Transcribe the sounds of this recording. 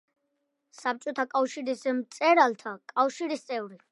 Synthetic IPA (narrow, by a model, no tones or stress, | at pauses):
sap̚t͡ʃʼɔt̪ʰakʼafʃiɾismt̪sʼɛɾalt̪ʰakʼafʃiɾist̪sʼɛvɾi